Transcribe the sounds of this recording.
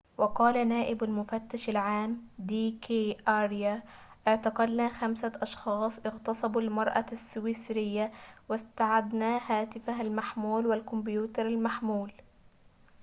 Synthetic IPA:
wɑqɑːlanaːʔɪbalmʊfat̪ːaʃalʕaːmd̪iːkeʔaɾjaʔɪʕt̪ɑqɑd̪naːxamsaʔɑʃxɑːsˤʔɪɣt̪ɑsˤɑbalmɑɾˤʔa̰sːʊwɪsɾɪjːawɪst̪aʕad̪naːhaːt̪ɪfahalmaħmuːlwɪlkʊmbjuːt̪ɑɾˤalmaħmuːl

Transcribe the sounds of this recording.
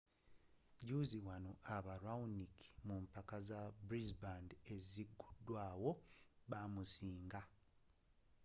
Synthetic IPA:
ɟuziwano̞aβaɾauniki̥mumpakazabɾizbande̞ziɡːudːwaːwo̞βamusiːŋɡa

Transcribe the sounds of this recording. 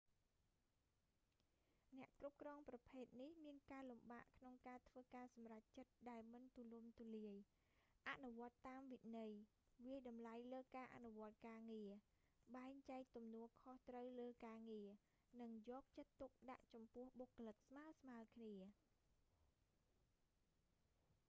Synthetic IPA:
nɛ̆əʔkrup̚krɑːŋprɑpʰeːt̪̚nihmiənkaːlumɓaːʔkʰnoŋkaːt̪ʰʋəːkaːsɑmrac̚t͡ɕət̪̚ɗaɛlmɨnt̪ulumt̪uliəj | ʔanuʋŏət̪ːaːmʋinɨj | ʋiəjɗɑmlajləːkaːʔa̰nuʋŏət̪̚kaːŋiə | ɓaɛŋt͡ɕaɛk̚t̪umnuəkʰoht̪rəwləːkaːŋiə | nɨŋjɔːk̚t͡ɕət̪ːuk̚ɗa̰ʔt͡ɕɑmpʊ̆əhɓokːolɨk̚smaəsmaəlkʰniə

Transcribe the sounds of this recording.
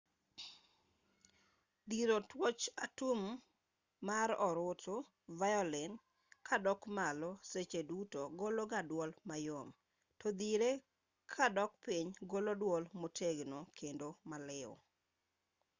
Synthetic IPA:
d̪iɾotwɔt͡ʃatumː | aɾɔɾʊto | vajɔlɪn | kʰadɔkmalɔset͡ʃedutoɡoloɡadwɔlmajom | tɔd̪iɾe | kʰadɔk̚piɲɡolodwɔlmoteɡnokʰendomalɪɔ̰

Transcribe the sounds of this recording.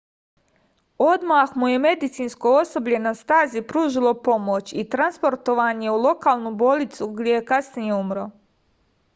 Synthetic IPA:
o̞d̪maxmuje̞me̞d̪it̪siːnskoo̞so̞bʎe̞nast̪aːzipɾuːʒilˠo̞po̞mot͡ɕit̪ɾanspo̞ɾt̪oʋaːɲe̞ulˠo̞kaːlˠnubolit̪suɡd̪jejekasnije̞umɾo̞

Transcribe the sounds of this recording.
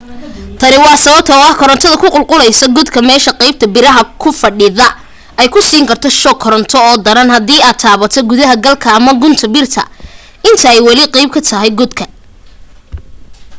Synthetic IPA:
t̪ʰɐɾɪwɑːsɐβɐb̚t̪ʰɐɔɐhkʰɔɾɐnt̪ʰɔðɐkʰʊqʊlqʊlɛjsɐɡʊd̪kʰɐmɛːʃɐqɛjb̚t̪ʰɐbɪɾɐɦɐkʰʊfɐɖɪðɐ | ɛjkʰʊsiːŋkʰɐrt̪ʰɔʃɔːkʰɔɾɐnt̪ʰɔɔːd̪ɐɾɐnhɐd̪iːaːd̪̚t̪ʰaːβɐt̪ʰɔɡʊðɐɦɐɡɐlkʰɐːmɐɡʊnt̪ʰɐbɪrt̪ʰɐ̰ | ɪnt̪ʰɐɛjwɐlɪqɛjb̚kʰɐt̪ʰɐɦɛjɡʊd̪kʰɐ

